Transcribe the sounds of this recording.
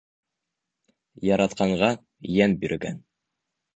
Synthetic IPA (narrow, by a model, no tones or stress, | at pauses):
jɑɾɑt̪qɑɴʁɑ | jænbiɾ̆ɡæn